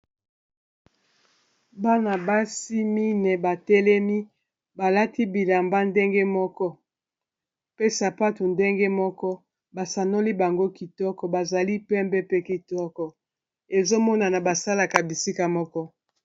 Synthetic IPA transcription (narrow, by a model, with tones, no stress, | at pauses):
ba˦na˨ba˦si˦mi˦nɛ˨ba˨tɛ˦lɛ˦mi˦ | ba˨la˦ti˦bi˨la˨mba˦nde˦ŋɡe˦mɔ˦kɔ˦ | pe˦sa˨pa˦tu˨nde˦ŋɡe˦mɔ˦kɔ˦ | ba˨sa˨no˦li˦ba˨ŋɡo˦ki˨tɔ˦kɔ˨ba˨za˨li˦pɛ˦mbɛ˦pe˦ki˨tɔ˦kɔ˨ | e˨zo˦mɔ˦na˨na˨ba˨sa˦la˨ka˨bi˨si˦ka˨mɔ˦kɔ˦